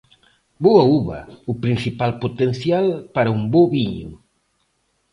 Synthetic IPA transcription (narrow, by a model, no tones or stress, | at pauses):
boɐuβɐ̰upɾinsipalpot̪enθjalpaɾɐumboβiɲṵ